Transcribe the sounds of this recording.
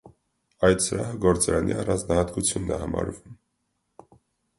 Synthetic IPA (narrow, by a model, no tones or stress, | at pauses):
ɑjt̪səɾɑɦəɡɔɾt͡sɑɾɑnʔḭɑrɑnd͡znɑhɑt̪kut͡sʰjunːɛhɑmɑ̰ɾvum